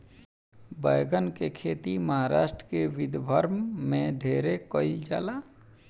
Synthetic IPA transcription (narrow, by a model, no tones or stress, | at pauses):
bəjɡənkekʰeːt̪iməɦaɾaːʃʈɾəkeʋɪd̪bʱəɾmmẽd̪ʱeːɾekəɪld͡ʒa̰ːlaː